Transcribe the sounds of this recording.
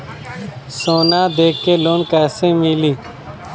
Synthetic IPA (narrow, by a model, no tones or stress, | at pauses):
soːnãːd̪eːkːeːloːnkɛːsẽːmiːliː